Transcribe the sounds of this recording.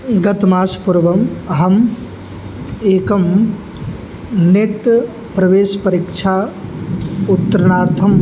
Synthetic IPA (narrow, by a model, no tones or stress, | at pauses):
ɡɐt̪maːspuɾʋɐmɦɐm | eːkɐm | neʈ̪ | pɾɐʋeːʃpɐɾikt͡ʃʰaː | ut̪ːɐɾɐnaːɾt̪ʰɐm